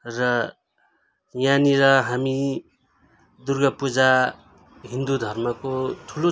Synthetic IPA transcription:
rʌ | janiɾʌɦami | d̪urɡʌpud͡za | ɦind̪ud̪ʱʌrmʌkot̪ʰulo

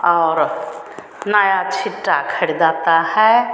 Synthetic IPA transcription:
ɔːɾ | naːjat͡ʃʰɪʈːakʰəɽd̪aːt̪ahɛ

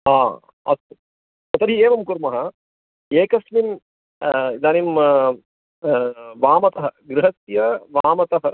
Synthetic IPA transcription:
aː | ɐ̰t̪ | ɐt̪ɐd̪ʱieːʋɐmkuɾmɐɦɐ | eːkɐsmim | d̪aːnim | ʋaːmɐt̪ɐɦɐɡɾɪɦɐt̪jɐʋaːmɐt̪ɐɦɐ

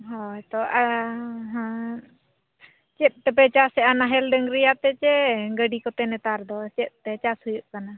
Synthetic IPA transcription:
ɦɔjt̪ɔʔaɦã | t͡ʃɛt̪̚ˀt̪ɛp̬ɛt͡ʃasɛʔanaɦɛlɖəŋɾɛjat̪ɛt͡ʃɛɡəɖikɔt̪ɛnɛt̪aɾd̪ɔt͡ʃɛt̪̚ˀt̪ɛt͡ʃashujuʔkana

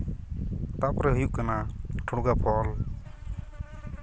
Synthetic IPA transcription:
t̪apɾɛɦujuʔkanaʈʰuɽɡapʰɔl

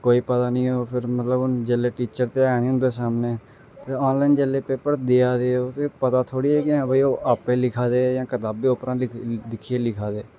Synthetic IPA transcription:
koːiːpət̪aːnĩːoːpʰɪɾmət̪ləbʊnd͡ʒəleːʈiːt͡ʃəɾt̪eːaːnĩːɦʊ̃nd̪eːsaːmneː | t̪eːɔːnlaːind͡ʒeleːpeːpəɾd̪eːaːd̪eːoːt̪eːpət̪aːt̪ʰoːɽiːɛːkɪãːbaiːoːʔaːpeːlɪkʰaːd̪eːjãːkət̪aːbeːʊpɾãːlɪd̪ɪkʰːieːlɪkʰaːd̪eː

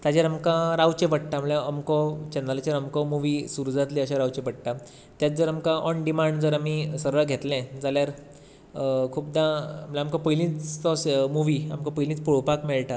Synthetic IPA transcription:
t̪ad͡ʑjaɾamkãɾaʋt͡ɕẽpəʈ̚ʈamɭjaːmkɔt͡ɕɛnd̪alat͡ɕaɾamkɔmuʋiːsuɾud͡zʱat̪liəɕaɾaʋt͡ɕepəʈ̚ʈa | t̪jat̪̚d͡zəɾamkãʔɔɳɖimaɳɖd͡zəɾamisəɾɭaɡʱet̪lɛ̃d͡zaljaɾ | kʰuːp̚d̪ãm̤ɭjaamkɔpəjlĩːt͡st̪ɔsmuʋia̰mkɔ̃pəjlĩt͡spuɭpakmeɭʈa

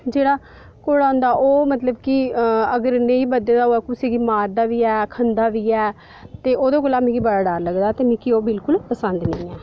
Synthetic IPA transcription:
d͡ʒeːɽaː | koːɽaːʊ̃nd̪aːʔoːmət̪ləbkiəɡəɾnẽːĩːbəd̪ed̪aːɦoːɛːkʊseːɡiːmaːɾd̪aːʋiːɛːkʰənd̪aːʋiːɛː | t̪eːʔoːd̪õːkoːlaːmĩːkiːbəɽaːɖaːɾləɡd̪aːt̪eːmĩːkioːbɪlkʊlpəsənd̪nə̃ːɛː

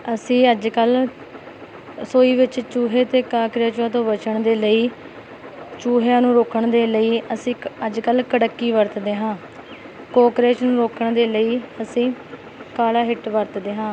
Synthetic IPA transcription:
əsĩːəd͡ʒkəl | soːiːʋɪt͡ʃt͡ʃuːɦeːt̪eːkaːkɾjaːt͡ʃãːt̪õːʋət͡ʃəɳd̪eːləiː | t͡ʃuːɦaːnũːɾoːkəɳd̪eːləiːʔəsĩːəd͡ʒkəlkəɽəkːiːʋəɾt̪d̪eːɦãː | koːkɾeːt͡ʃnũːɾoːkʰəɳd̪eːləiːəsĩː | kaːlaːɦɪʈʋəɾt̪d̪eːɦãː

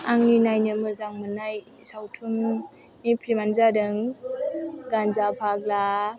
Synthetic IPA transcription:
aŋninajnɯmɯzaŋmɯnaj | sawtʰum | nipʰɾimanzadɯŋ | ɡanzapʰak̚la

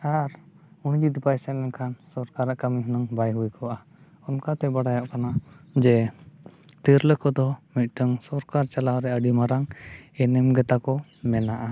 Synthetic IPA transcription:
aɾ | und͡ʒid̪pajsɛʔɛnkʰansɔɾkaɾaʔkamiɦɔnəŋbajɦujkɔʔa | ɔnkat̪ɛbaɽajaʔkanad͡ʒɛ | t̪iɾləkɔd̪ɔmit̪̚ˀʈəŋsɔɾkaɾt͡ʃalawɾɛəɖimaɾaŋɛnɛmɡɛt̪akɔmɛnaʔa

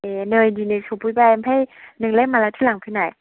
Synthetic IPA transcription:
ʔenəːjdiːnɯːjsʰopʰuːjbaːjpʰajnɨŋlemːaːlat̪ʰiːlaŋkʰɯnaj

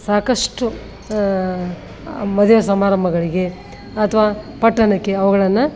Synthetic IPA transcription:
saːkɐʂʈu | mɐd̪jos̬ɐmaːɾɐmbʱɐɡɐɭiɡe̞ | ɐt̪ʰɐʋaːpɐʈːɐnɐkːe̞ɐʋɐɡɐɭɐnːu

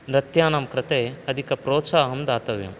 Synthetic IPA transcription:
ɾɐt̪jaːnaːmkɾɐt̪eːɐd̪ʱikɐpɾoːt̪saːɦɐmd̪aːt̪ɐʋjɐ̰m

